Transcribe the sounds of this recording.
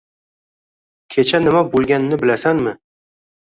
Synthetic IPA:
kʲʰet͡ʃʰanɪmabolˠɡʲanɪnɪbɪlasanmɪ

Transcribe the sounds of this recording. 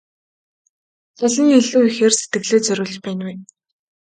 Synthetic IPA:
t͡saɮə̆ŋiɮuːixeːrset̪ɡɘ̆ɣɮeːt͡sœɾʲʊ̆ːɮt͡ɕpæːnwe

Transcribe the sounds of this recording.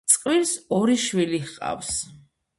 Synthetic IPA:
sʼqʼwilsɔɾiʃwiliχqʼa̰fs

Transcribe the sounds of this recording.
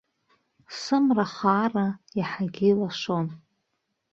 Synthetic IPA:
sɨmraχaːraiħaɡʲilaʂon

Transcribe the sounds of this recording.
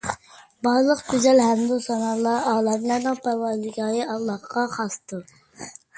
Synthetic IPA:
bɑɾlˠəqt̪ʰyzɛlɦæmd̪usɑnɑlˠɑɑːlˠɛmlˠɑɾnɨŋpʰæwɑlˠɪɡʲɑːjəɑlˠːɑχqɑχɑst̪ʰuɾ

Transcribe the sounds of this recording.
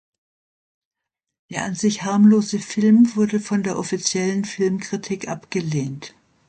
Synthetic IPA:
d̥eːɐʔanzɪçhaɐmloːzəfɪlmvʊɐdəfɔndeːɐʔɔfit͡sjɛlənfɪlmkʁ̥itʰiːkʔapɡ̥əleːnt

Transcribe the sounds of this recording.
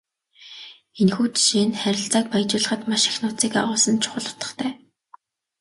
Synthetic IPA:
enxuːt̪ʃeːnχæɾʲɪ̆ɬt͡saːk̚pajt͡ɕʊːɮə̆χə̆t̪maʃi̥xnʊːt͡siːkaʁʊːsə̆nt͡ɕʰʊ̥χə̆ɮʊ̥t̪ə̥̆χt̪ʰæː

